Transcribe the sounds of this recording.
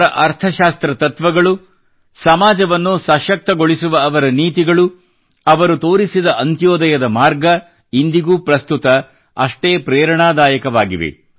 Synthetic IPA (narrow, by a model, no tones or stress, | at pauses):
ɾɐʔɐɾt̪ʰɐʃaːst̪ɾɐt̪ɐt̪ʋɐɡɐɭu | sɐmaːd͡ʒɐʋɐnːusɐʃɐk̚t̪ɐɡoɭisuʋɐɐːʋɐɾɐniːt̪iɡɐɭu | ɐʋɐɾut̪oːɾisid̪ɐʔɐnt̪joːd̪ɐjɐd̪ɐmaːɾɡɐ | ind̪iɡuːpɾɐst̪ut̪ɐ | ɐʂʈeːpɾɛːɾɐɳaːd̪aːjɐkɐʋaːɡiʋḛ